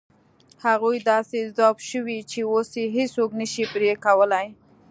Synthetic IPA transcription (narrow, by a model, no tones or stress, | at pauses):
haɣujd̪ɑsezd̪ɑbʃəwit͡ʃeoseɦeoknəʃipɾekawəlaj